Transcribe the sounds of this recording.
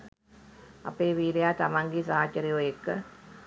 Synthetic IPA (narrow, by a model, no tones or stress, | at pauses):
a̰peːʋiːɾejaːt̪amaŋɡisaɦaːt͡ʃɐɾijoːjekːə